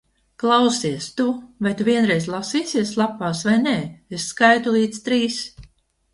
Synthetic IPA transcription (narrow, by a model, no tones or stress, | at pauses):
klˠawsiɛst̪ubet̪vʲiɛnɾɛjzlˠasiːsiɛslˠapaːsvajnɛːesːkajt̪ulˠiːt̪st̪ɾiːs